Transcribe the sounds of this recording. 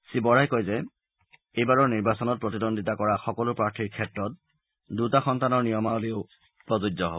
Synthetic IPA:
sibɔɹajkojzɛ | ejbaɹɔɹniɹbasɔnɔt̚pɹɔtidondʱitakɔɹaxɔkɔlʊpɹaɹtʰiɹkʰɛtɹɔt̚ | dutaxɔntanɔɹnijɔmaoleʊ | pɹɔzudɔɦo̰b

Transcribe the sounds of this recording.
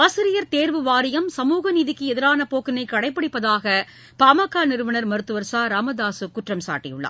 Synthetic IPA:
aːsɪɾɪjɐɾt̪eːɾʋɯʋaːɾɪjɐmsɐmuːɣɐniːðɪkːɯɛðɪɾaːnɐpoːkɪnɐɪkːɐɽɐɪpːɐɽɪpːɐðaːɣɐ | paːmɐkːaːnɪɾɯʋɐnɐɾmɐɾɯt̪ːɯʋɐɾsaːɾaːmɐðaːsɯkʊʈrɐmsa̰ːʈːɪ̰jʊ̰ɭːɐ̰ː

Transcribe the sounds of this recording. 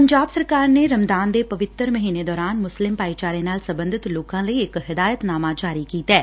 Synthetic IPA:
pəɲd͡ʒaːbsəɾkaːɾneɾəmd̪aːnd̪epɐʋɪt̪ːəɾməɦiːned̪ɔːɾaːnmʊslɪmpaːit͡ʃaːɾenaːlsəbə̃nd̪ʱɪt̪loːkãːləiɪkɦɪd̪aːjət̪naːmãd͡ʒaːɾikiːt̪ɛː

